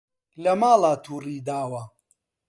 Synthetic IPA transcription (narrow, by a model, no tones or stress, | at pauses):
lɐmaːlaːt̪ʰuriːd̪aːwa